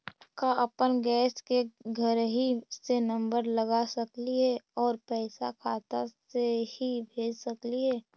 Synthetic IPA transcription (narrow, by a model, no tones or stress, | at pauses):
kaʔəpənɡɛːskeɡʱəɾɦisenə̃mbəɾləɡasəkliɦɛɔːɾpɛːɪsakʰaːt̪asehibʱeːd͡ʒsəkliɦɛː